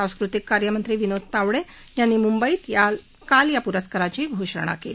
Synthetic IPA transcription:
ãw̃skɾut̪ikːaɾjəmənt̪ɾiːʋinod̪̚ʱt̪aʋɽe | janːiːmumbəiːt̪ja | kaljapuɾəskəɾat͡ɕiɡʱoʂəɽ̃a̰keli

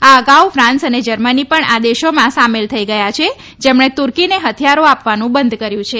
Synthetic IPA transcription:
aəɡawfɾãnsəned͡ʒəɾmənipəɳad̪eʃomãsamelt̪ʰəiɡəjat͡ʃʰe | d͡ʒemɳet̪uɾkineɦət̪ʰijaɾoapʋanũbənd̪ʱkəɾjũt͡ʃʰe

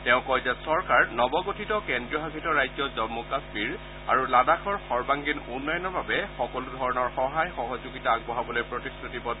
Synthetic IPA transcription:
tɛʊ̃kɔjzɛsɔɹkaɹnɔbɔɡotʰitɔkɛndɹiɔɦakʰitɔɹajzɔzɔmːɔkaspiɹ | a̰ɹuladakʰɔɹxɔɹbaŋɡinunːɔjɔnɔɹbabɛxɔkɔludʱɔɹɔnɔɹxɔɦajxɔɦɔzoɡitaːɡ̚bɔɦabɔlojpɹotiskʰɹitibɔd

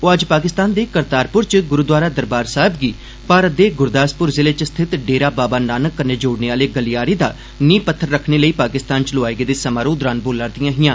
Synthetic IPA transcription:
oːəd͡ʒpaːk̬ɪst̪aːnd̪eːkəɾt̪aːɾpʊɾt͡ʃɡʊɾuːd̪ʋaːɾaːd̪əɾbaːɾsaːɦebɡiː | paːɾət̪̚d̪eːɡʊɾd̪aːspʊɾzɪleːt͡ʃst̪ʰɪt̪ɖeːɾaːbaːbaːnaːnəkːəɾneːd͡ʒoːɽneːaːleːɡəlɪjaːɾiːd̪aː | nĩːpət̪ʰːəɾːəkʰneːləiːpaːkɪst̪aːnt͡ʃəloaːeɡeːd̪eːsəmaːɾoːd̪ɾaːnboːlaɾd̪ɪjãːɦɪjãː

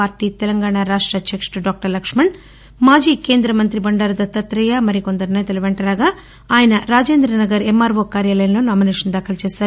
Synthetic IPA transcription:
aːɾʈiːt̪ɛlɐŋɡaːɳaɾaːʂʈɾɐt͡ʃʰɐkʂʈuɖaːk̚ʈɐɾlɐkʂmɐɳ | maːd͡ʒiːkeːnd̪ɾɐmɐnt̪ɾibɐɳɖaːɾɐd̪ɐt̪ɐt̪ɾɐjɐmɐɾikond̪ɐɾnɐjɐt̪ɐlɐʋeɳʈɐɾaːɡɐ | aːjɐnɐɾaːd͡ʒeːnd̪ɾɐnɐɡɐɾemːaːɾʋoːkaːɾjaːlɐjɐnloːnaːmineːʂɐnd̪aːkʰɐlt͡ʃeːssaːɾ

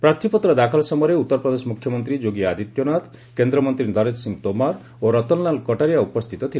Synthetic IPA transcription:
pɾat̪ʰːipɔt̪ɾɔd̪akʰɔlsɔmɔɾeut̪ːɔɾpɾɔd̪esɔmukʰjɔmɔnt̪ɾid͡ʒoɡiad̪it̪jɔnat̪ | kend̪ɾɔmɔnt̪ɾid̪ʱɔɾet̪siŋt̪omaɾ | oɾɔt̪ɔnlankɔʈaɾijaupɔst̪ʰit̪ɔt̪ʰil

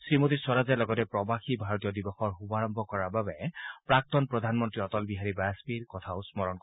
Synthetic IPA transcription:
sɹimot̬iswɔɹazalɔɡɔtɛpɹɔbaxibʱaɹɔtijɔdibɔxɔɹɦubaɹɔmbʱɔkɔɹababɛpɹak̚t̪ɔnpɹɔd̪ʱanmɔntɹiɔtɔlbiɦaɹibajaspiɹkɔtʰaʊsmɔɹɔnk

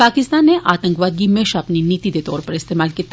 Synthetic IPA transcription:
paːkɪst̪aːnːeʔaːt̪ə̃ŋkʋaːd̪̚ɡimeːʃapniniːt̪id̪et̪ɔ̰ːɾpəɾɪst̪eːmaːlkiːt̪ː

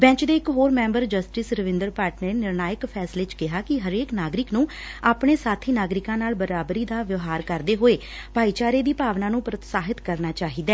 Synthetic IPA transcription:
bɛ̃ːt͡ʃd̪eːɪkɦoːɾmɛ̃ːmbəɾd͡ʒəsʈɪsɾəʋɪ̃nd̪əɾpaːʈneːnɪɾnaːjəkpʰɛːsleːt͡ʃkɪɦaːkɪɦəɾeːknaːɡɾɪknũː | aːpɳeːsaːt̪ʰiːnaːɡɾɪkãːnaːlbəɾaːbɾiːd̪aːʋɪʋɦaːɾkəɾd̪eːɦoːeː | paːiːt͡ʃaːɾeːd̪iːpaːʋnãːnũːpɾət̪saːɦɪt̪kəɾnaːt͡ʃaːɦiːd̪ɛː

